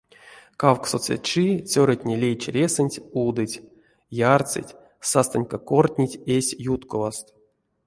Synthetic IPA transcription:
kawksot͡sʲḛt͡ʃit͡sʲoɾətʲnʲelʲejt͡ʃɾʲesɨnʲtʲud̪ɨtʲ | jart͡sɨ̰tʲ | sast̪anʲkakortʲnʲitʲesʲjut̪kovast̪

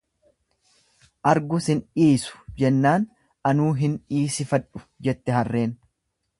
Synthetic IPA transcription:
ʔɐɾɡʊsɪniːsʊ̥d͡ʒɛnːaːn | ɐnuːɦɪnᶑiːsɪfɐᶑʊ̥d͡ʒɛt̪ːɛɦɐrːe̞ːn

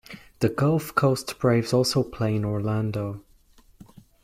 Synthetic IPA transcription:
ðəɡʌlˠfkʰoʊstb̥ɹeɪvzɔˑlˠsoʊpʰl̥eɪ̃nɔɹlãndoʊ

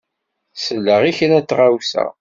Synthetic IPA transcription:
səlːəʁiçənæt͡sːʁawsæ̰

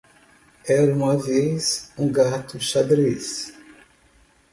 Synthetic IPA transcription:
ɛɾɐũmɐvejzũɡat̪ʊʃad̪ɾis

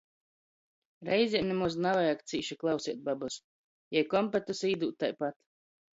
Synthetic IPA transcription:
ɾɛjzʲiɛmnɛmuznavajakt̪siːʃiklˠɑwsiɛt̪̚babus | jajkɔmpat̪ɨsiːd̪uːt̪ːajpat̪

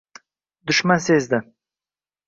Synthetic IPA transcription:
d̪ʊʃmansezd̪ɪ

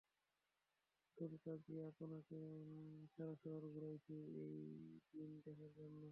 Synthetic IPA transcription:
t̪oɾikad̪iaponakeʃaɾaʃɔɦoɾɡuɾajt͡ɕʰeejdind̪ɛkʰaɾd͡ʑonːo

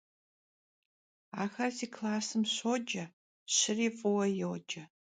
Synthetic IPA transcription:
aːxɐrziːkʰlaːsɨmɕoːd͡ʒɐ | ɕɪriːfʼʊwɐjowd͡ʒɐ

